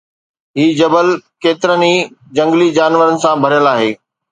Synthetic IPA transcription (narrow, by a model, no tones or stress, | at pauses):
ɦiːd͡ʑɐbəlkeːt̪ɪɾəni | d͡ʑɐ̃ŋɡlid͡ʑaːnʋəɾənɪ̆sãbʱɐɾjəlaːɦeː